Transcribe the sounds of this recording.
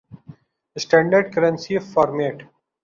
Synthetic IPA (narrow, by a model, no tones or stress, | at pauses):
əsʈæ̃ɳɖəɾɖkəɾə̃nsifɔːɾmeːʈ